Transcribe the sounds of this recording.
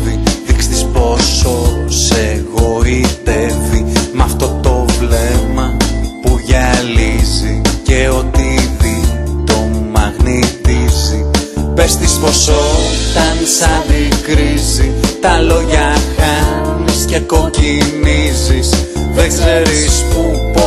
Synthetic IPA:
iðikst̪ispo̞so̞seɣoit̪evimɐft̪o̞t̪o̞vle̞mɐpuʝɐlizice̞o̞t̪iðit̪o̞mɐɣnit̪izipest̪isposot̪ɐnsɐðikɾizit̪ɐlo̞ʝɐxɐnisce̞ko̞cinizisðeɡzeɾiispup

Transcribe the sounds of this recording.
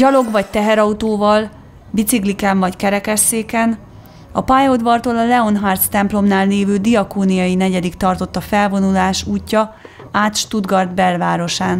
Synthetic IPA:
ɟɒlo̞ɡvɒc̚t̪ɛɦɛɾɒut̪oːvɒl | bit̪siklikɛɱvɒckɛɾɛkɛʃeːkɛn | ɒpajod̪vɒrt̪oːlɒlɛo̞nɦaːrt̪st̪ɛmplo̞mnaːlneːvøːd̪iɒkoːnijɒjinɛɟɛd̪ikt̪ɒrt̪o̞t̪ːɒfɛlvo̞nulaːʃuːcːɒ | aːt̪ʃt̪ud̪ɡɒrd̪bɛlvaːɾo̞ʃaːn

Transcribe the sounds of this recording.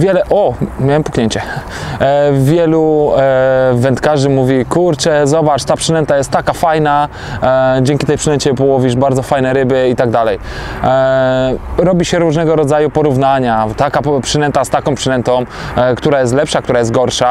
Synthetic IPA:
vʲjɛlɛʔɔmʲjawɛmpukɲeɲt͡ɕɛ | vʲjɛlu | vɛnt̪kaʐɘmuvʲikuɾt͡ʂɛzɔbat͡ʂt̪apʂɘnɛnt̪ajɛst̪ːakafajna | d͡ʑɛŋkʲit̪ɛjpʂɨnɛɲt͡ɕɛpɔwɔvʲiʐbaɾd̪zɔfajnɛɾɘbɘit̪aɡ̚d̪alɛj | ɾɔbʲiɕɛɾuʐnɛɡɔɾɔd̪zajupɔɾuvnaɲat̪akapʂɘnɛnt̪ast̪akɔ̃mpʂɨnɛnt̪ɔ̃m̃ | kt̪uɾajɛst̪lɛpʂak̚t̪uɾajɛst̪̚ɡɔɾʂa

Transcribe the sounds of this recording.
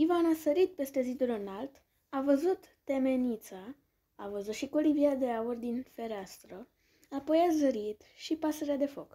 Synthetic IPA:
ivanasəɾit̪̚pe̞st̪e̞zid̪ulonalt̪ | avəzut̪ːe̞me̞nit̪sa | avəzut̪ʃikoliviad̪e̞aurd̪infe̞ɾeast̪ɾə | apo̞jazəɾit̪ʃipasəɾead̪e̞fo̞k

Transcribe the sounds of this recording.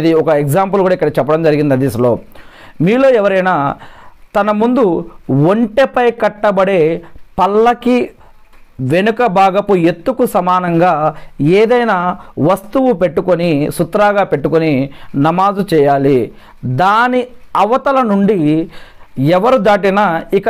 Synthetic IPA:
d̪iɔkɐeɡd͡ʒaːmp̬ulɡuːɽaikːɐɽɐt͡ʃɛpːɐɽɐmd͡ʒɐɾiɡind̪ɐd̪isɐlo̞ː | miːlo̞ːɛʋɐɾɐjnaːt̪ɐnɐmund̪uʋoɳʈepɐjkɐʈːɐbɐɽe̞ːpɐlːɐki | ʋe̞nukɐbʱaːɡɐpuet̪ːukusɐmaːnɐŋɡaːeːd̪ɐjnaːʋɐst̪uwupe̞ʈːukonisut̪ɾaːɡaːpe̞ʈːukoninɐmaːzut͡ʃɛːjaːli | d̪aːniɐʋɐt̪ɐlɐnuɳɖi | ɛʋɐɾud̪aːʈ̬inaikɐ

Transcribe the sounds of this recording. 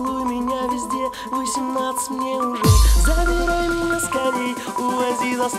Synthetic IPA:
lˠumʲɪnʲavʲɪzʲdʲe̞ | vosʲɪmnat̪sɨ̥tʲmnʲeʊdozɐbʲɪɾajmʲɪnʲaskaɾʲej | ʊvɐzʲizɐs

